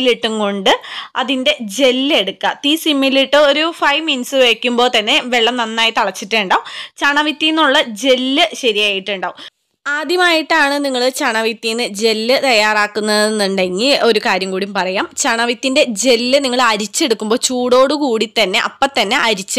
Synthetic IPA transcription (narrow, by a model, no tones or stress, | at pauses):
liʈːuŋko̞ɳɖɨɐðinde̞d͡ʑe̞lːe̞ɽukːɐt̪isimːiliʈːɨoɾufɐjʋminsɨʋe̞ːkʲːumbo̞ːt̪ɐnːe̞ʋe̞ɭːɐmnɐnːaːjit̪ɐɭɐt͡ɕːiʈːeɳɖaːut͡ɕɐɳɐʋit̪ːijnːuɭːɐd͡ʑe̞lːɨɕɐɾijaːjiʈːuɳɖaːʋum | aːd̪ʱjɐmaːjiʈːaːɳɨniŋːɐɭɨt͡ɕɐɳɐʋit̪ːijnːɨd͡ʑe̞lːɨt̪ɐjːaːraːkːunːɐðenːuɳɖe̞ŋɡilo̞ɾukaːɾjɐmkuːɽiumpɐrɐjaːmt͡ɕɐɳɐʋit̪ːinde̞d͡ʑe̞lːɨniŋːɐɭɐɾit͡ɕːe̞ɽukːumbo̞ːt͡ɕuːɽo̞ːɽɨkuːɽit̪ːɐnːe̞ʔɐpːɐt̪ːɐnːe̞ʔɐɾit͡ɕːɨ